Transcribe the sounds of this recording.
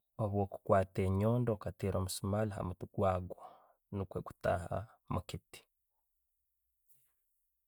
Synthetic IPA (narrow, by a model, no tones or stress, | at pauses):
oβwoːku̥kwaːteɲoːndokatiɾoːmusumalaɦa̰mutuɡ̥waːɡwo | nukweɡu̥ta̰ha̰ | mukiti̥